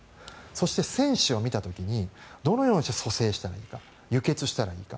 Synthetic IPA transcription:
so̞ɕi̥t̪e̞sẽ̞ɰ̃ɕɨo̞mʲit̪at̪o̞kʲiɲ̟id̪o̞no̞jo̞ːɲʲiɕt̪eso̞se̞ːɕi̥t̪aɾaiːka | jɯ̟ke̞t͡sɨɕi̥t̪aɾaiːka

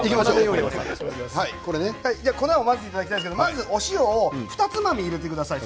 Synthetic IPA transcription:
ikʲimaeoshaikoɾenehaid͡ʑako̞naomazɨiːt̪ad̪akʲitajd̪sked̪omazɨo̞ɕioːɸɯ̟t̪at͡sɨmamʲiːɾet̪ekɯ̟d̪asai

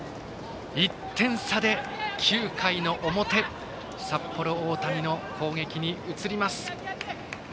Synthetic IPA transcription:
it̪ʰːẽ̞ɰ̃sad̪e̞kʲʰɨːkʰaino̞ʔomo̞t̪e̞ | sapːo̞ɾo̞oːt̪amʲino̞kʰo̞ːŋe̞kʲiɲ̟iɯt͡sɨɾʲimasɨ̥

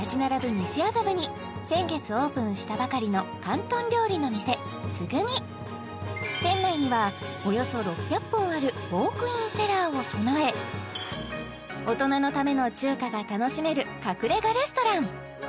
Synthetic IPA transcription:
at͡ɕinaɾabɯ̟ɲ̟iɕiasabɯ̟ɲ̟i | sẽ̞ŋɡe̞t͡sɨo̞ːpɯ̟̃ɰ̃ɕi̥t̪abakaɾʲino̞kãnt̪õ̞nɾʲo̞ːɾʲino̞mʲise̞ | t͡sɨɡɯ̟ɲ̟i | t̪ẽ̞nːaiɲ̟iβa | o̞jo̞so̞ɾo̞pʲːjapːõ̞ɰ̃aɾɯ̟bo̞ːkɯ̟ĩɰ̃se̞ɾaːo̞sonoe̞ | o̞t̪o̞nano̞t̪ame̞no̞t͡ɕɨːkaɡat̪ano̞ɕime̞ɾɯ̟kakɯ̟ɾe̞ɡaɾe̞sɨ̥t̪o̞ɾãŋ̃

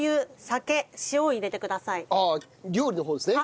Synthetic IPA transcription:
jɯ̟ːsake̞ɕioiɾe̞t̪e̞kɯ̟d̪asaia | ɡʲoːɾʲino̞ɦoːd̪e̞sɨne

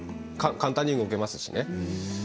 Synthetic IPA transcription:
kãkãnt̪ãɲ̟ːĩŋɯoke̞masɨ̥ɕḭne̞

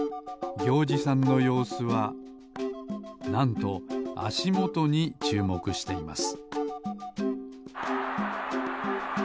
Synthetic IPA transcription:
ɡʲo̞ːd͡ʑisãnːo̞jo̞ːsɨβa | nãnt̪o̞a̰ɕimo̞t̪o̞ɲ̟it͡ɕɨːmo̞kɯ̟ɕi̥t̪e̞ima̰sɨ̥

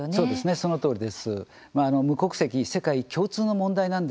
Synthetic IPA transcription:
soːd̪e̞sɨne̞so̞not̪o̞ːɾid̪e̞sɨ | maːno̞mɯ̟ko̞kɯ̟̥se̞kʲise̞kaikʲo̞ːt͡sɨːno̞mõ̞nd̪ainãnd̪

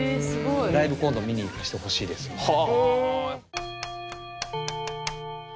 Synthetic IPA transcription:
sɨɡoɾaibɯ̟kõnd̪omʲiɲ̟iːt̪ːaɕi̥t̪eho̞ɕiːd̪esɨ̥ha

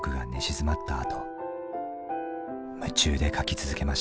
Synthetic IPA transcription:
kɯ̟ɡa̰neɕizɨmat̪ːa̰ːt̪o̞ | mɯ̟t͡ɕɨːd̪e̞kʰakʲit͡sɨzɨke̞maɕ

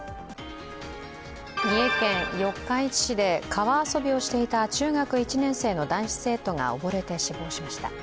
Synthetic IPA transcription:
ɲʲie̞kẽ̞ɰjo̞kːãit͡ɕi̥ɕid̪e̞kʰaβaːso̞bʲio̞ɕi̥t̪e̞it̪at͡ɕɨːɡakɯ̟it͡ɕinẽ̞ɰ̃se̞ːno̞d̪ãɰ̃ɕi̥se̞ːt̪o̞ŋa̰o̞̰bo̞ɾe̞t̪e̞ɕibo̞ːɕimaɕi̥t̪a̰

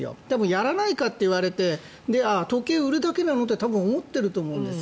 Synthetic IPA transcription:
jo̰d̪̥e̞mõjaɾanaikat̪ːeiɯβaɾe̞t̪e̞ | d̪e̞at̪o̞ke̞ːɯ̟ɾɯ̟d̪ake̞nano̞t̪ːe̞t̪abɯ̟̃omo̞t̪ːe̞ɾɯ̟t̪o̞ːmo̞ɯ̃nd̪e̞s

